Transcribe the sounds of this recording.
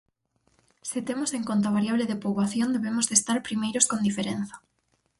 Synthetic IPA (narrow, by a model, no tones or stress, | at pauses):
sɪt̪emoseŋkont̪̬aβaɾjaβleðepoβaθjond̪eβemozðest̪aɾpɾimejɾoskond̪ifeɾen̟θɐ̥